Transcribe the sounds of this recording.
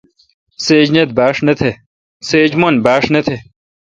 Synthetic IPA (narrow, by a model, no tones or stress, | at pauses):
seːd͡ʑnet̪̚baːʂnɐt̪ʰe | seːd͡ʑmonbaːʂnɐt̪ʰe